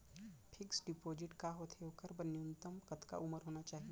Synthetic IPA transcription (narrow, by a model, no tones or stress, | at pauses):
pʰɪksɖɪpoːd͡ʒɪʈkaɦot̪ʰeɦoːkəɾbɐnjunt̪əmkɐt̪ka̰ʔʊməɾɦoːnat͡ʃaːɦie